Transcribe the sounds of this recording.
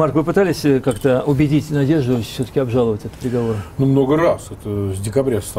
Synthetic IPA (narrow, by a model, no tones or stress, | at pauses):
markvɨpɨt̪alʲɪsʲkakt̪əʊbʲɪdʲitʲnɐdʲe̞ʐd̪ʊfʲsʲɵt̪ə̥kʲɪɐbʐalˠəvətʲɛt̪əpʲɾʲɪɡɐvo̞ɾənumno̞ɡərasɛt̪əvʲdʲɪkɐbɾʲast̪